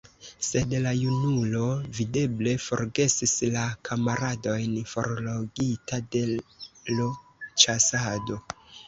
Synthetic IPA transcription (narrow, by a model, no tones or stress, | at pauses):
se̞dlajunulo̞vide̞ble̞fo̞̰ɾɡe̞sislakʰamaɾado̞jnfo̞̰ɾloɡitade̞lot͡ʃasado